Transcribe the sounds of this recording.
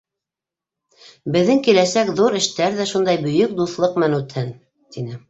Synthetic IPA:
bɘ̆ðːɘŋkilæsækðuɾɘ̆ʃt̪æɾðæʃund̪ɑjbɵ̆jɵk̚d̪uθlˠɤqmnʉt̪hɘn | t̪inɘ

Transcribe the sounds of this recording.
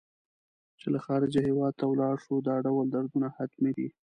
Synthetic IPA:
t͡ʃelaxɑɾɪd͡ʒahewɑd̪̚t̪awlɑɽʂud̪ɑɖawəld̪aɾd̪unahat̪med̪i

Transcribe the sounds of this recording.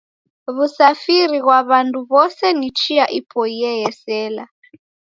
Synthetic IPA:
βusafiɾiɣwaβandʰʱʼuβɔsɛnit͡ʃʰiaʔipʰɔiɛjɛsɛːla̰

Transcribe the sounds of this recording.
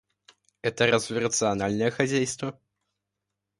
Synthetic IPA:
ɛt̪ɐɾazvʲiɾɐt̪sɨanalʲnɐjɛxad͡zʲæjst̪vɐ

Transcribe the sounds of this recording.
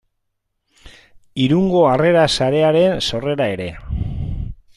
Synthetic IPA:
iɾuŋɡo̞are̞ɾasaɾe̞aɾe̞nso̞re̞ɾae̞ɾe̞

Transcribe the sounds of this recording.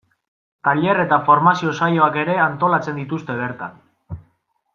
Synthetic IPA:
t̪aʎe̞re̞t̪afo̞ɾmasio̞sajo̞ake̞ɾe̞ant̪o̞lat͡se̞nd̪it̪ust̪e̞βe̞ɾt̪a̰n

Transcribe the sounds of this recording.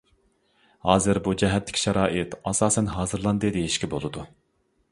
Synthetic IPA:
hɑːzɨɾbud͡ʒɛɦɛt̪ʰːɪ̥kʲʃɛɾɑːʔɪt̪ɑsɑːsɛnɦɑːzɨɾlˠɑnd̪ɨd̪ejiʃkʲɛbolˠɨd̪u

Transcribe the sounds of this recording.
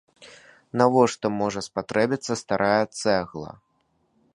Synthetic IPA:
navɔʂt̪ɔmɔʐɐspat̪ɾɛbʲit̪sːɐst̪aɾʔajɛt̪sɛɣlˠɐ̰

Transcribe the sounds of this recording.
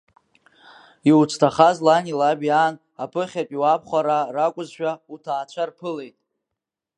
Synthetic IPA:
iwt͡sʷʰtʰaχazlanilabjaːn | apʰɨχʲapʼiwapʰχʷaɾarakʷʼʊzʃᶣautʰaːt͡ɕʷʰarpʰɨle̞jtʼ

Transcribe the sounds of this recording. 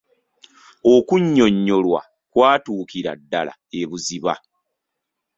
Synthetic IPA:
okuɲːo̞ɲːo̞lwa̰ | kwaːtuːkiɾa̰dːala̰eβuziβa̰

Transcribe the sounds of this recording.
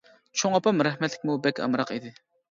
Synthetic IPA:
t͡ʃʰoŋɑpɑmɾɛhmɛt̪lɪ̥kʲmubɛkʲɑ̰mɾɑqid̪ɪ

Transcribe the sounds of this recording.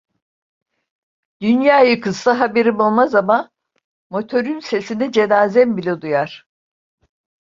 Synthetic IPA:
d̪̥ynjaːjɯkʰɯst̪aɦabeɾimolˠmazama | mo̞t̪ʰo̞ɾynse̞sinɛd͡ʒe̞naːzɛmbilʲɛd̪ujaɾ̥

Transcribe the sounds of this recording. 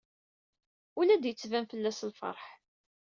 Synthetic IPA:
ulæd̪jət͡sːvænfəlːæslfə̰ɾˤħ

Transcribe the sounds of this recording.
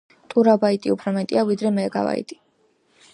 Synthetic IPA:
t̪ʼuɾabait̪ʼiupʰɾɔmɛt̪ʼiavid̪ɾɛmɛːɡa̰va̰ḭt̪ʼi̥

